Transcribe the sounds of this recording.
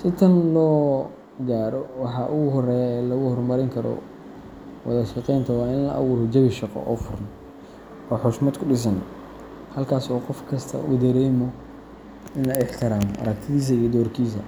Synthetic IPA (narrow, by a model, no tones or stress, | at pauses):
sɪt̪ʰɐnlɔː | ɡaːɾɔwɑħɑʔʊɣʊɦɔrɛːjaɛːlɐɣʊhɔrmɐɾɪŋkʰɐɾɔ̰ | wɑ̰ðɐʃɑqɛjnt̪ʰɐwɑːɪnlɐ̰ʔɐ̰wuːɾɔd͡ʒɐβɪʃɑqɔ̰ʔɔːfʊrn | ɔːħʊʃmɐd̪kʰʊɖɪs̬ɐn | hɐlkʰaːsɔːqɔfkʰɐst̪ʰɐ̰ʔṵd̪ɐɾɛːmɔ | ɪnlɐɪħt̪ʰɪɾaːmɔʔɐ̰ɾɐk̚t̪ʰɪðiːs̬ɐijɔd̪ɔːrkʰiːs̬ɐ̰